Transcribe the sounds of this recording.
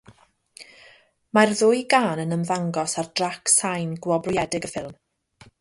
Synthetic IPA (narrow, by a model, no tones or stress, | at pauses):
marðʊːjɡaːnənəmðaŋɡɔsardraksajnɡwɔbrʊjɛdɪɡəfɪlˠm